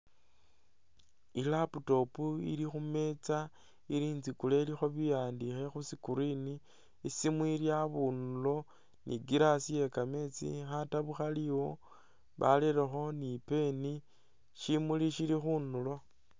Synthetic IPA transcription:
ilaputo̞puḭɾixume̞t͡sa | iɾiːnzikulelixo̞βijaːndixe̞xusikuɾini | simwiɾjaβunulo̞ | nḭɡiɾasije̞kame̞t͡sḭxataβuxaliwo̞ | βa̰leɾexo̞nipe̞ni | ʃimuliʃiɾixunulo̞

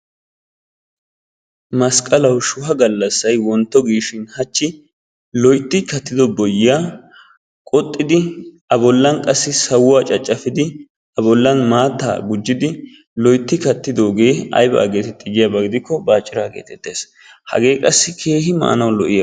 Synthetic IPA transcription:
mɐskʼɐlɐwʃʊhɐɡɐlːɐsːɐjwɔnt̪ːɔɡiːʃɪnhɐt͡ʃːɪ | lɔjt̪ːɪkɐt̪ːɪd̪ɔbɔjɪjaː | kʼɔt̪ʼːɪd̪ɪʔɐbɔlːɐnkʼɐsːɪsɐwʊaːt͡ʃʼɐt͡ʃʼːɐfɪd̪ɪ | ɐbɔlːɐnmaːt̪ːa̰ːɡʊd͡ʒːɪd̪ɪ | lɔjt̪ːɪkɐt̪ːɪd̪o̞ːɡe̞ːɐ̰jba̰ːɡe̞ːt̪ɛt̪ːɪɡɪjɐbɐɡɪd̪ɪkːɔbaːt͡ʃʼːɪɾaːɡeːt̪ɛt̪ːe̞̰ːs | hɐ̰ɡe̞ːkʼɐsːɪkʰe̞ːhɪma̰ʔːnɐwlɔʔɪjɐ

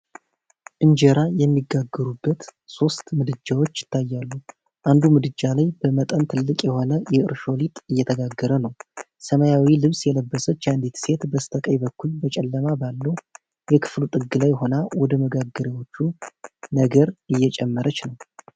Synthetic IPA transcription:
ʔɨnd͡ʒeɾajɛmːiɡaɡːəɾubːət̪so̞st̪mɨd̪ɨd͡ʒːawo̞t͡ʃːjɪt̪ʰːajːalːu | ʔand̪umɨd̪ɨd͡ʒːalajbəmət̪ʼənt̪ʰɨlːɨkʼjɛho̞nəjɛɨɾʃo̞lit̪ʼɨjːɛt̪ʰəɡaɡːəɾənəw | səməjawilɨβsjɛləbːəsət͡ʃːand̪it̪se̞t̪bəst̪ʰəkʼəjbəkːulbət͡ʃʼɛlːəmabalːə | jɛkʰɨ̥flut̪ʼɨɡːɨlajɦo̞nawɔd̪əməɡaɡːəɾewo̞t͡ʃːunəɡəɾɨjːɛt͡ʃʼɛmːəɾət͡ʃnəw

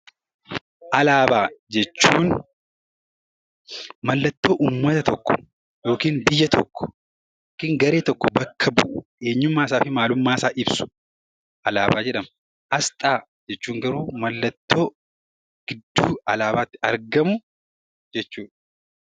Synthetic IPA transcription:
ʔɐlaːbaːd͡ʒɛt͡ʃːuːn | mɐlːɐt̪ːo̞ːʔuːmːɐt̪ɐt̪ɔkːɔ̥ | jo̞ːkiːnbɪjːɐt̪ʰɔkːɔ̥ | jjoːkiːŋɡɐɾe̞ːt̪ɔkːɔbɐkʰːɐbʊʔʊʔe̞ːɲːʊmːaːs̬aːfɪmaːlʊmːaːsaːʔɪbsʊ̥ | ʔɐlaːbaːd͡ʒɛᶑɐm | ʔɐst̪ʼaː | d͡ʒɛt͡ʃːuːŋɡɐɾuːmɐlːɐt̪ːo̞ː | ɡ̥ɪd̪ːuːɐlaːbaːt̪ːɪɐɾɡɐmʊ | d͡ʒɛt͡ʃːuːᶑ

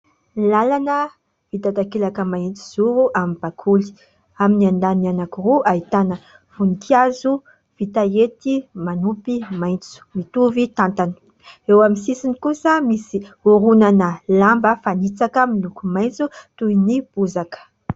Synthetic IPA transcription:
lalanə | v̥it̪at̪akilakəmaint͡su̥z̥uɾuʔamib̥akʰuli̥ | aminiand̪ananakuruʔait̪anə | v̥unikʰiazu | v̥it̪aet̪imanupimajnt͡su̥mit̪uvit̪ant̪anə̥ | ewamisisinikusəmisiuɾunanəlambəfanit͡sakəmilukumajnt͡sut̪uinib̥uzakə̥

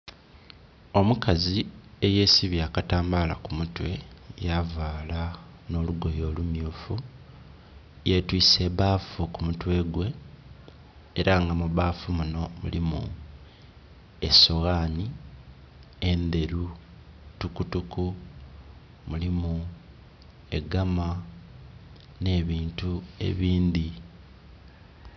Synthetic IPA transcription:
o̞mukazie̞je̞ːsiβjaːkataːmbala̰kumutwe̞javaːla | no̞luɡo̞jo̞ːlumjuːfu | jetwiːse̞βaːfukumutwe̞ːɡwe̞ | ɾaŋɡamuβaːfumuno̞mṵlimṵ | e̞̰so̞ɣaːni | end̪e̞ɾu | tukutuku | mulimu | e̞ɡama | ne̞ːβiːntue̞̰βiːnd̪i

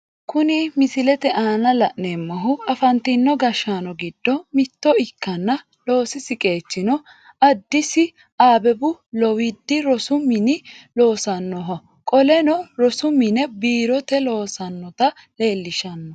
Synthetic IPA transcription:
kʊnɪmɪsɪlɛt̪ɛʔaːnɐlɐʔnɛːmːɐɦʊɐfɐnt̪inːɔɡɐʃaːnɔɡɪd̪̥ːɔmɪt̪ːɔɪkːɐnːɐ | lo̞ːsɪsɪkʼe̞ːt͡ʃːɪnɔ | ɐd̪ːɪsɪ | aːbɛbʊlɔwɪd̪ːɪɾɔsʊmːɪnɪlo̞ːsɐnːɔɦɔ | kʼɔlɛnɔɾɔsʊmɪnɛbiːɾɔt̪ɛlo̞ːsɐnːɔt̪ɐ | le̞ːlːɪʃɐnːɔ

